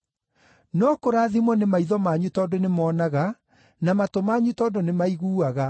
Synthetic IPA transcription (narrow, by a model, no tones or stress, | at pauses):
nɔkoɾaːðimwɔnemaiðɔmaɲutɔːndonemɔːnaɣa | namatomaɲutɔːdonemaiɣuːaɣa